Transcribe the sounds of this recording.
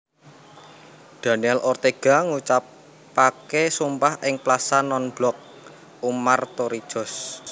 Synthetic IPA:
d̪̥a̤niɛlɔrt̪eɡ̥a̤ŋut͡ʃapː | akesumpahɪŋplasanɔnb̥lɔk̚ | umart̪oɾi̥ʒ̥ɔ̤s

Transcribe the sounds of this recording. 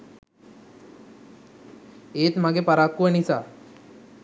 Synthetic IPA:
eːt̪maɡepaɾaːkːuʋənisaː

